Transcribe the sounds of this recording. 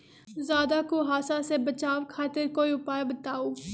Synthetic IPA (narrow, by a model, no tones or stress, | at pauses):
zjaːd̪aːkoɦaːsãsebət͡ʃaːʋkʰaːt̪ɪɾkoːiʊpaːebət̪aːoː